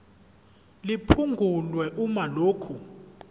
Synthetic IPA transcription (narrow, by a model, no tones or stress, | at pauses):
lipʰuŋɡʱulwɛʔumaloːkʰu